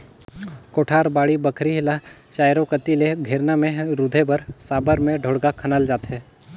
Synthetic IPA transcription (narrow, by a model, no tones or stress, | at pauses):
koːʈʰaːɾbaːɽibɐkʰɾiɦlat͡ʃaːjɾõkət̪ileɡʱeːɾnamẽɾʊd̪ʱebəɾsaːbəɾmẽɖʱoːɽɡakʰɐnəld͡ʒaːt̪ɦɛː